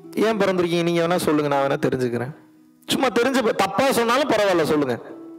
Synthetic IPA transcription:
ẽːpɔɾɐnd̪ɪɾɯkːɪ̃ŋɡniːŋɡɐʋɐnːaːsɔlːɯŋɡɐnãːʋɛnːɐt̪ɛɾɪɲd͡ʒɯkːɾẽː | sʊmːaːt̪ɛɾɪɲd͡ʒɐpt̪ɐpːaːsɔnːaːlʊ̃pɐɾɐʋaːlːɐsɔlːɯŋɡɐ

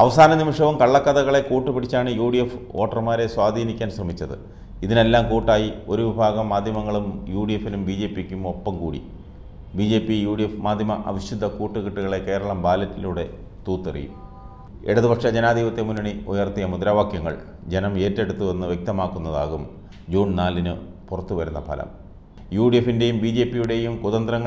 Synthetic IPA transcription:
ɐʋɐsaːnɐnimɐʂɐʋumkɐɭːɐkːɐðɐɣɐɭe̞kuːʈːupiɽit͡ɕːaːɳɨjuːɽijefo̞ːʈːɐrmaːɾe̞swaːd̪ʱiːnikʲːaːnsrɐmit͡ɕːɐðɨ̰ | iðine̞lːaːmkuːʈːaːjio̞ɾuʋibʱaːɣɐmːaːd̪ʱjɐmɐŋːɐɭumjuːɽijefːinumbiːd͡ʑe̞ːpikʲːumo̞pːɐmkuːɽḭ | bid͡ʑe̞ːpːijuːɽijefmaːd̪ʱjɐmɐʔɐ̰ʋiɕud̪ʱːɐkuːʈːuɣiʈːuɣɐɭe̞ke̞ːɾɐɭɐmbaːlɐtːiluɽe̞ | t̪uːt̪ːɐrḭjṵm | ḛɽɐðubɐkʂɐd͡ʑenaːd̪ʱiːʋɐt̪ːemunɐɳiojɐrt̪ijɐmud̪ɾaːʋaːkjɐŋːɐ̰ɭ | d͡ʑe̞nɐme̞ːtːe̞ɽut̪ːuʋe̞nːɨʋjek̚t̪ɐmaːkːunːɐða̰ːɣum | d͡ʑuːɳnaːlːinɨ | purɐt̪ːuʋɐɾunːɐpʰɐ̰lɐ̰m | juːɽijefinde̞jumbiːd͡ʑe̞ːpːijuɽe̞jumkuðɐnd̪rɐŋː

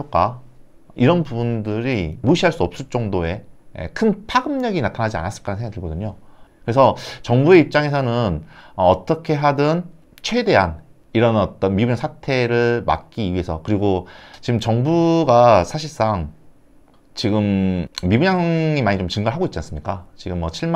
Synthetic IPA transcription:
ʌk͈a | iɾʌnpubundɯɾimuɕʰiɦaɭs͈uʌp̚s͈ɯɭt͡ɕ͈ʌŋdoe̞ḛkʰɯnpʰaɡɯmɲʌɡinatʰanɦad͡ʑia̰nas͈ɯɭk͈aɾansʰeŋːɡaktɯɭɡʌdɯɲokɯɾe̞s̬ʰʌt͡ɕʌŋbue̞ip̚t͡ɕ͈aŋe̞s̬ʰʌnɯnʌʌt͈ʌkʰe̞ɦadɯn | t͡ɕʰwe̞de̞ɦan | iɾʌnʌt͈ʌnmibuɲaŋsʰatʰe̞ɾɯɭma̰k̚k͈iɥie̞sʰʌkɯɾiɡot͡ɕiɡɯmt͡ɕʌŋbuɡasʰaɕʰiɭs͈aŋ | t͡ɕiɡɯmmibuɲaŋimaɲit͡ɕomt͡ɕɯŋɡaɭɦaɡoit̚t͡ɕ͈ans͈ɯmɲik͈at͡ɕiɡɯmːwʌɕʰiɭm

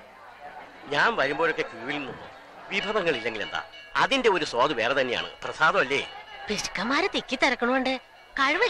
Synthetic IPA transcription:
ɲaːmʋɐɾumboːɭo̞kːe̞kjuːʋilnulːṵ | ʋibʱɐðɐŋːɐɭilːe̞ŋɡile̞nd̪a̰ː | ɐðinde̞o̞ɾusoːd̪ɨʋe̞ːret̪ɐnːeja̰ːɳɨ̰prɐsaːðɐmɐlːe̞̰ːpiʂkːɐmaːɾɐt̪ːikʲːit̪ːɐrɐkːɐɳuʋeɳɖɨ | kɐɻʋɐ

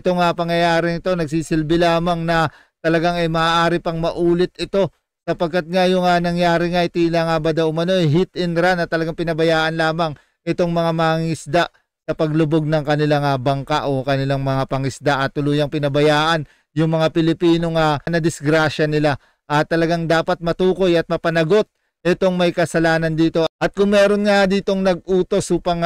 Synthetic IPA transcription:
ʔɪt̪o̞ŋapɐŋjɐjaːɾɪnɪt̪o̞nɐɡ̚siːsɪlbɪlaːmɐŋnɐ | t̪ɐlɐɡaŋɐjmaːʔaːɾɪpɐŋmɐʔuːlɪt̪ɪt̪o̞ | sɐpɐɡ̚kːat̪̚ŋajʊŋanɐŋjaːɾɪŋaʔɪt̪ilaŋabɐd̪ɐʔʊmɐno̞ʔɛjɦit̪ɪnɾanɐt̪ɐlɐɡaŋpɪnɐbɐjaːʔɐnlaːmɐŋ | ʔɛt̪o̞ŋmɐŋamɐŋiŋɪsd̪a | sɐpɐɡlʊbo̞ɡ̚nɐŋkɐnɪlaŋabɐŋkaʔo̞kɐnɪlaŋmɐŋapɐŋɪsd̪aʔɐt̪ːʊluːjɐŋpɪnɐbɐjaːʔɐn | jʊŋmɐŋapɪlɪpiːno̞ŋanɐd̪ɪsɡɾaːʃɐnɪla | ʔɐt̪ːɐlɐɡaŋd̪aːpɐt̪̚mɐt̪uːko̞jɐt̪̚mɐpɐnɐɡo̞t̪̚ | ʔɛt̪o̞ŋmɐjkɐsɐlaːnɐnd̪iːt̪o̞ʔɐt̪̚kʊŋmɛːɾo̞nŋad̪iːt̪o̞ŋnɐɡ̚ʔuːt̪o̞sʔuːpɐŋ

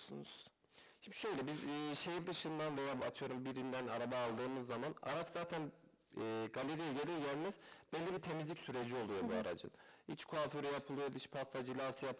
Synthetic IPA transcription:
sunuz̥ | hiʃø̞jlʲɛbizːʃejiɾd̪ɯʃɯnd̪anvejaːat̪ʰɯjo̞ɾumbiɾind̪ænaɾabaːlˠd̪ɯːmɯzːamana̰ɾat͡ʃzaːt̪ʰænː | ɡalʲeɾijɛɟelʲiɾɟælʲmɛz̥bɛllʲːibit̪ʰe̞mizlʲicʲsyɾe̞d͡ʒiolˠujo̞buaɾa̰d͡ʒɯ̰nhit͡ʃkʰuafyɾyjapʰɯlˠɯjo̞d̪it͡ʃpʰast̪ʰad͡ʒilʲaːsɯjap

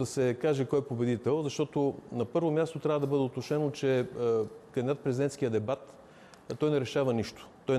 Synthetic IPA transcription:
d̪ɐsɛkaʒɛkɔjɛpobɛd̪it̪ɛlˠzɐʃt̪ɔt̪onɐpɤɾvomʲjast̪ot̪ɾʲavəd̪ɐbɤd̪ɛot̪oʃɛnot͡ʃɛ | kɐnd̪id̪at̪pɾɛzʲid̪ɛnt̪skijəd̪ɛbat̪ | t̪ɔjnɛɾɛʃavəniʃt̪o̥t̪ɔj

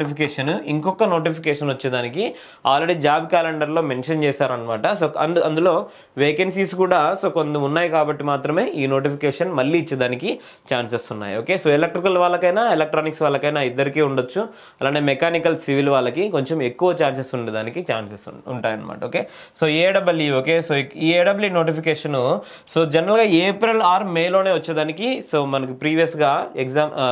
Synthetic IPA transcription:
ipʰikeːʂɐnuiŋkɔkːɐno̞ːʈipʰikɛːʂɐnʋɐt͡ʃːed̪aːniki | aːlɾeɽiːd͡ʒaːbkaːleɳɖɐɾlo̞ːme̞nʂɐnt͡ʃɛːsaːɾɐnːɐmaːʈɐsoɐ̰nɐnd̪ulo̞ː | ʋeːkensiːskuːɽaːso̞ːkond̪ɐmunːaːjikaːbɐʈːimaːt̪ɾɐme̞ːʔiːno̞ːʈ̬ipʰikeːʂɐnmɐlːiːt͡ʃːed̪aːniki | t͡ʃaːnsesunːa̰ːjo̞ːkeːsoːelek̚ʈɾikɐlʋaːlːɐkɐjnaːelek̚ʈɾaːniksʋaːlːɐkɐjnaːid̪ːɐɾikiːuɳɖot͡ʃːu | ɐlaːɳʈeːmɛkaːnikɐlsiʋilʋaːɭːɐkiko̞ɲt͡ʃeme̞kːuʋɐt͡ʃaːns̬est̪uɳɖid̪aːnikit͡ʃaːnsesuuɳʈaːjɐnːɐma̰ːʈɐoːkeː | soːeːɖɐbɐlioːke̞ːsoːiːeːɖɐbɐlino̞ːʈipikeːʂɐnu | soːd͡ʒɛnɾɐlɡaːeːpɾilaːɾmeːjlo̞ːne̞ːʋɐt͡ʃːɐd̪aːnikisoːmɐnɐkupɾiːʋijɐsɡaːeɡzaːm

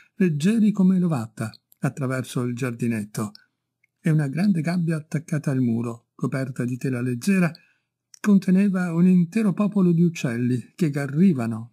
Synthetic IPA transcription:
led͡ʒːɛːɾikomelovat̪ːa | at̪ːɾavɛrsoild͡ʒard̪inet̪ːo | eunaɡɾand̪eɡabːjaːt̪ːakːaːt̪aalmuːɾokopɛrt̪ad̪it̪ɛːlaled͡ʒːɛːɾa | kont̪ʰeneːvaunint̪ɛːɾopɔːpolod̪iut͡ʃːɛlːik̟eɡarːiːvano

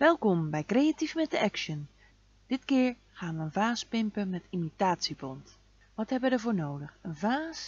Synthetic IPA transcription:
ʋɛlˠkɔmbɛjkrejatifmɛt̚dəɛkʃən | d̥ɪtkɪːɹ | χaːnʋəənvaːspɪmpəmɛtimitaːtsibɔnt | ʋɑtɦɛbəʋədəɹvʊːɹnowdəχənvaːs

